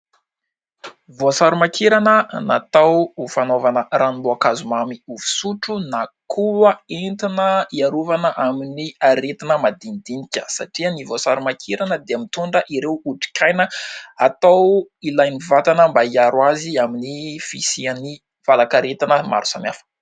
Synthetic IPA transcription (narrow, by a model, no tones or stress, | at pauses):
vosaɾumakʰeɾanənat̪awufanovanəraniboakazumamiuvu̥suʈ͡ʂunakʰuəent̪inəiaɾuvanəʔaminiaɾet̪inəmad̪inid̪inikʲə̥sa̰ʈ͡ʂiənivosaɾumakʰiɾanəd̪eamit̪uɳɖ͡ʐəʔiɾewuʈ͡ʂi̥kʲajnəat̪awilajnivat̪anəmbaiaɾwaziaminifisiani | v̥alakaɾet̪inəma̰ɾu̥samjafə̥